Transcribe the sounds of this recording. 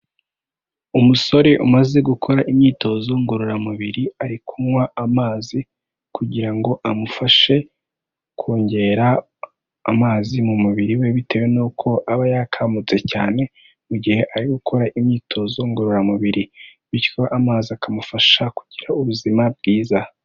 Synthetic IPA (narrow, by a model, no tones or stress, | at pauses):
umuso̞ɾe̞ʔumaze̞ɡukʰo̞ɾaʔimɲiːto̞zo̞ŋɡuɾuɾamuβiɾiaɾikʰumwaamaːzi | kuɟiɾaŋɡo̞ʔamufaʃe̞ | kʰuːɲɟe̞ɾa̰ː | maːzimumuβiɾiwe̞βite̞we̞nuːkʰo̞ʔaβajakʰamut͡se̞ca̰ːne̞ | muɟihe̞ʔaɾiɡukʰo̞ɾaʔimɲiːtʰo̞zo̞ŋɡuɾuɾamuβiɾi | βikoʔamaːziakamufaʃakuɟ̥iɾauβuzimab̚ɡiːza